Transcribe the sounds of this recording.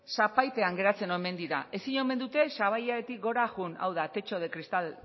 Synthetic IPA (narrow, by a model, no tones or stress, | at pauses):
sapajt̪e̞aŋɡe̞ɾat͡se̞no̞me̞nd̪iɾae̞siɲo̞me̞nd̪ut̪e̞saβajaɾet̪ik̚ɡo̞ɾaɣuna̰wð̞at̪e̞t͡ʃo̞ð̞e̞kɾist̪al